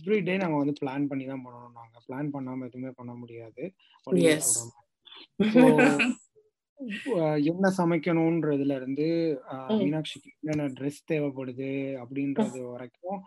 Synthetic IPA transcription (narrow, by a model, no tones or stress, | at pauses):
fɾiːɖeːnãːŋɡɐʋɐnd̪ɯpɭaːnpɐɳːit̪ãːpɐɳːɐɳʊ̃naːŋɡɐpɭaːnpɐɳːaːmɛðɯmeːpɐɳːɐmʊɽɪjaːðɯ | pɐɪɛpuːɽɐŋɐ | soː | ɛnːɐsɐmɛkʲːɐɳʊ̃nɾɐðɪlɐɪɾɯnd̪ɯʋinaːkʂɪkːɯɐnːɐ̃ɖɾɛst̪eːʋɛpːɐɽɯðɯɐpːɐɽɪnrɐðɯʋɐɾɐkːʊ̃